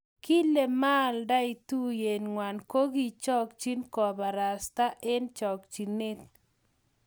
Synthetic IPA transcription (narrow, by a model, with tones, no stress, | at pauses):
ki˦le˨ma˦˨lda˦i˨tu˦je˨nŋwa˨nko˦ɡi˦t͡ʃɔ˦kt͡ʃi˦nkɔ˨ba˨ɾa˨st̪a˦ʔe˦nt͡ʃɔ˨kt͡ʃi˨ne˦t̪̚